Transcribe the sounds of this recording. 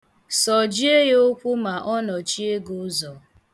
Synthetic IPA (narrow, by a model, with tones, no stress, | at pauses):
sɔ˨d͡ʒi˦e˦jo˦kʷʊ˦ma˨ʔɔ˦nɔ˨t͡ʃi˦e˦ɡo˦zɔ˨